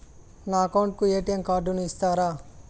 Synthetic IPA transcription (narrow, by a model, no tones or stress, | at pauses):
naːɐkɐwɳʈ̚kueːʈijɐmkaːɖunuist̪aːɾaː